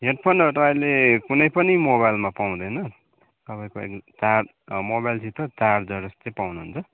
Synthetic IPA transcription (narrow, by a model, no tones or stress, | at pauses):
ɦeʈ̚pʰʌnʌt̪ʌpaĩlekunʌjpʌnimoβajlmapaw̃d̪ʌjnʌ | t̪ʌpaĩkoḛkt͡sar | mobajlsʰit̪ʌt͡sard͡zʌɾʌst̪ʌpawnuɦunt͡sʰʌ